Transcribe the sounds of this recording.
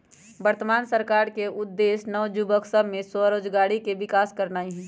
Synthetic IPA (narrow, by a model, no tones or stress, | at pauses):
bəɾt̪əmaːnsəɾkaːɾkeʊd̪ːeːsnɔːd͡ʒʊbəksəbʱmẽsəɾoːd͡ʒɡaːɽikeʋɪkaːskəɾnaːiɦɛ̃ː